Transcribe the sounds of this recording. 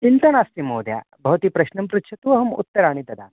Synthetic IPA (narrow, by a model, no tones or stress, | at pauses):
int̪ɐnaːst̪imoːd̪ja̰ː | bʱɐʋt̪ipɾɐɕnɐmpɾut̪ʃʰɐt̪uʋɐɦɐmṵt̪ːɐɾaːɳ̃it̪ɐd̪a̰ːn